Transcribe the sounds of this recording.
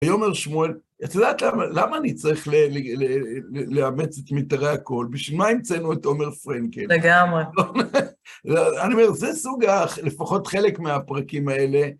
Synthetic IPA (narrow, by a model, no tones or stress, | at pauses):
ajo̞me̞ʁʃmuel | at̪odaːt̪lamalamaːnit͡saʁiχleleleeleamet͡setmitaʁeako̞lbiʃvilmaimt͡senueto̞me̞ʁfʁeŋkeleɡamʁeon | zeaniomeʁzesuɡale̞faχo̞tχe̞le̞kmeapʁakimae̞le̞